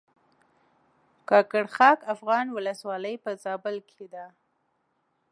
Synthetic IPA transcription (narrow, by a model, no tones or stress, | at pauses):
kɑkaɽxɑkafɣɑnwʊləswɑləjpəzɑbəlkid̪a